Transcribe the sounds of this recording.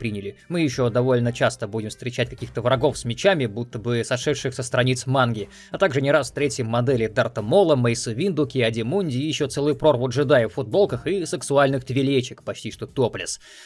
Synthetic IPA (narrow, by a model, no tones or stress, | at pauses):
pɾʲinʲɪlʲɪmɨjɪɕːo̞d̪ɐvo̞lʲnət͡ɕast̪əbudʲɪmfst̪ɾʲɪt͡ɕætʲkɐ̥kʲixt̪əvɾɐɡo̞fsmʲɪt͡ɕamʲɪbut̪ːəbɨsɐʂɛt̪ʂɨxsʲəst̪ɾɐnʲit̪smanɡʲɪ | ɐt̪aɡʐɨnʲɪɾasft̪ɾʲetʲjɪmːɐd̪ɛlʲɪd̪ɐrt̪əmolˠəməjsɨvʲind̪ʊkʲɪɐdʲɪmunʲdʲɪjɪɕːot̪sɛlˠɨjpɾo̞rvʊt̪ʐɨd̪ajəffʊd̪̚bo̞lˠkəxɨsɨksʊalʲnɨxt̪vʲɪlʲet͡ɕɪkpɐt͡ɕtʲiʂt̪ot̪oplʲɪ̰s